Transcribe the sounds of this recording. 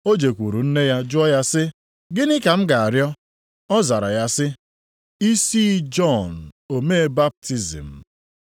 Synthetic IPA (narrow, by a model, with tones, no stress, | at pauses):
o˦d͡ʒe˨kʷu˨ɾu˨n̩˦ne˦ja˦d͡ʒʊ˦ɔ˦ja˦sɪ˦ | ɡɪ˦nɪ˦ka˨m̩˦ɡa˨a˨ɾjɔ˦ | ɔ˦za˨ɾa˨ja˦sɪ˦ | i˦si˦d͡ʒɔ˦˨n̩˨o˨me˦e˦ba˦p̚ti˦zḭ˨m̩˨